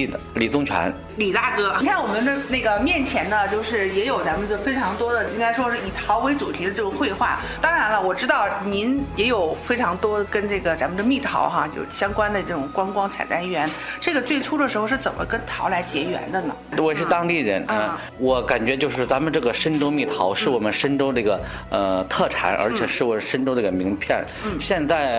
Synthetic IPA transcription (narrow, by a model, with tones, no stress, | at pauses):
d̪ə˩li˨˩t͡sʊ˥˩ŋt͡ɕʰɥa̰˧˥n | li˨˩t̪a˥˩kɤ˥˧˥wɔ˨˩mə˧˦nd̪ə˧ne˥˩ɡə˩mjɛ˥˩nt͡ɕʰjɛ˧˥nd̪ə˧t͡ɕjo˥˧ʊʂɻ̩˥˩jɛ˧˥jo˨˩ʊt͡sa˧˥mə˧nə˧fe˥ɪʈ͡ʂʰɑ˧˥ŋt̪wɔ˥d̪ə˨i˥ŋka˥ɪʂwɔ˥ʂɻ̩˥˩i˨˩t̪ʰɑ˧˥ʊwe˧˥ɪt͡su˨˩t̪ʰi˧˥d̪ə˧ʈ͡ʂɤ˥˩ʈ͡ʂʊ˨˩ŋxwe˥˧ɪxwa̰˥˩ | t̪ɑ˥ŋɻa˧˥nlə˧wɔ˨˩ʈ͡ʂɻ̩˥t̪ɑ˥˩ʊni˧˥njɛ˧˥jo˨˩ʊfe˥ɪʈ͡ʂʰɑ˧˥ŋt̪wɔ˥kə˥nʈ͡ʂɤ˥˩ɡə˩t͡sa˧˥mə˨nd̪ə˧mi˥˩t̪ʰɑ̰˧˥ʊxa˧t͡ɕjo̰˥˩ʊɕjɑ˥ŋkwa˥nd̪ə˨ʈ͡ʂɤ˥˩ʈ͡ʂʊ˨˩ŋkwa˥nkwɑ˥ŋt͡sʰa˨˩ɪt̪a˥nɥɛ˧˥nʈ͡ʂɤ˥˩ɡə˩t͡swe˥˩ɪʈ͡ʂʰu˥d̪ə˨˩ʂɻ̩˧˥xo˥˧ʂɻ̩˥˩t͡sə˨˩nmə̰˦kə˥nt̪ʰɑ˧˥ʊla˧˥ɪt͡ɕjɛ˧˥ɥɛ̰˧˥nd̪ə˧nə̰˨˩wɔ˧˥ɛ˨˩ʂɻ̩˥˧t̪ɑ˥ŋt̪i˥˩ɻə˧˥n˧ | wɔ˧˩ka˨˩nt͡ɕɥɛ˧˥t͡ɕjo˥˧ʊʂɻ̩˥˩t͡sa˧˥mə˨nʈ͡ʂɤ˥˩ɡə˩ʂə˥nʈ͡ʂo˥mi˥˩t̪ʰɑ˧˥ʊʂɻ̩˥˩wɔ˨˩mə˦nʂə˥nʈ͡ʂo˥d̪ə˧˥˧ɡə˩ | ə˧t̪ʰɤ˥˩ʈ͡ʂʰa̰˧˥nʔə̰˞˧˥t͡ɕʰjɛ˨˩ʂɻ̩˥˩wɔ˨˩əʂə˥nʈ͡ʂdə˧˥˩ɡə˩mi˧˥ŋpʰjɛ˥˩n̩˥˩ɕjɛ˥˧nt͡sa˥˩ɪ